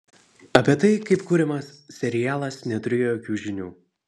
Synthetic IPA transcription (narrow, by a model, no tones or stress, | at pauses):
ɐpʲiɛt̪ɐɪkɐɪpkʊːɾʲɛmɐssʲɛɾʲɪjæːlˠɐsnʲɛt̪ʊɾʲeːjojoːkʲuːʒʲɪnʲṵː